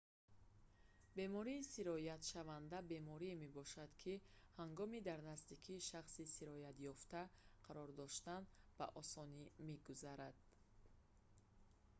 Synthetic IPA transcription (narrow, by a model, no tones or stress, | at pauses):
be̞mɔɾiːsiɾɔjat̪ʃavand̪abe̞mɔɾime̞bɔʃad̪kʰihaŋɡɔmid̪aɾnasd̪ikʰiːʃaχsisiɾɔjat̪jɔft̪aqʰaɾɔɾd̪ɔʃt̪anb̥aʔɔsɔnimeɡuzaɾad̪̥̚